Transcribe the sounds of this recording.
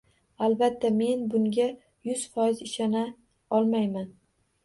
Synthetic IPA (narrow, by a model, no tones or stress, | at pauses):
albat̪ʰːame̞nbʊŋɡʲa | jʊz̥fɒjɪzɪʃana | ɒlˠmajman